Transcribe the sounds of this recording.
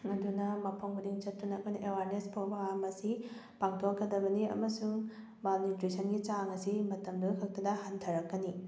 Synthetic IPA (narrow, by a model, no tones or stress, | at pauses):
ɐdunɐmɐpʰoŋɡudiŋt͡ʃɐtːunɐkʰojnɐʔewaɾnespʰowbɐŋamɐsi | paŋtʰokːɐdɐbɐniɐ̰mɐsuŋ | malnitɾisʰɐnɡit͡ʃaŋɐsimɐtɐmduɡukʰɐk̚tɐdɐhantʰɐɾɐkːɐni